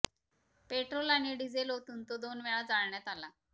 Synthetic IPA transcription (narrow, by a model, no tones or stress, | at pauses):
peʈɾolaɽ̃iɖid͡zelɦot̪uːnt̪od̪onʋeɭad͡zaɭɳjat̪ala